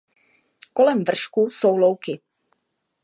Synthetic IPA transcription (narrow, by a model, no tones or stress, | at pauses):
ko̞lɛmvr̩ʃkusowlowkɪ